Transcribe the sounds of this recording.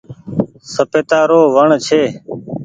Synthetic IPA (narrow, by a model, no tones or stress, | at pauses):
səpeːt̪aːɾoːʋəɳt͡ʃʰeː